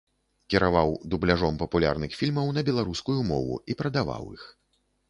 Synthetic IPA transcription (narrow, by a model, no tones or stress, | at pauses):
kʲɛɾavawd̪ublʲaʐɔmpɐpulʲa̰rnɨxfʲilʲmɐwnɐbʲɛlˠaɾuskujumɔ̰vṵipɾɐd̪ava̰wḭx